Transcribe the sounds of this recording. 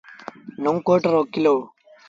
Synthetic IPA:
noŋkoːʈɐɾokːilo

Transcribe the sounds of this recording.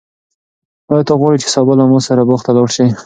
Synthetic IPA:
ɑjɑt̪aɣwɑɽit͡ʃe̥sɑbɑlamɑsaɾaboxt̪alɑɽʃi

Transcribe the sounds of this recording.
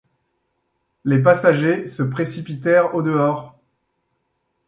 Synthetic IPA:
lep̬asaʒesəpχesipit̪ɛʁod̪əɔːʁ

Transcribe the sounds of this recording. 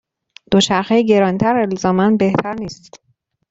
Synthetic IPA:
d̪̥oʃæɾxejɟe̞ɾɒːnit̪ʰæɾelzɒːmænbe̞ht̪ʰæɾniːst̪

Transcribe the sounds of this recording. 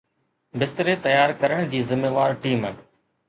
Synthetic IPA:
bɪst̪ɾeːt̪əjaːɾkəɾəɳ̃d͡ʑiːzɪmeːʋaːɾʈiːməː

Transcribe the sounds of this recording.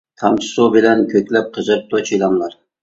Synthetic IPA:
t̪ʰɑmt͡ʃ̪ʰɨ̥subɪlɛnkʲʰøkʲlɛp̚qʰəzəɾp̚t̪ʊt͡ʃʰilˠɑmlˠɑɾ

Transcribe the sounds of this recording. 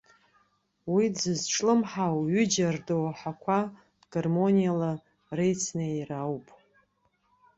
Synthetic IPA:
wid͡zɨzʈ͡ʂʰʼlɨmħawɥʏd͡ʒardowħakʷʰa | dɡarmo̞nijala | rejt͡sʰnajrawpʼ

